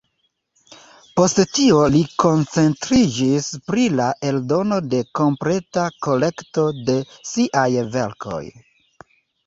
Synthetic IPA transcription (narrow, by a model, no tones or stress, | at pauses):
po̞sttio̞liko̞nt͡se̞ntɾid͡ʒispɾilaʔe̞ldo̞no̞de̞ko̞mpɾe̞tako̞le̞kto̞de̞siʔajve̞̰ɾkʰo̞̰j